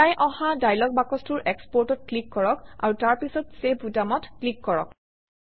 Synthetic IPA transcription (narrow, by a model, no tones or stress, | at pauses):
tajʔɔ̃hadajlɔɡ̚bakɔstʊɹʔɛkspɔɹtɔt̚klikːɔɹɔka̰ɹutaɹpisɔtsebʰʱutamɔtklikːɔɹɔ̰k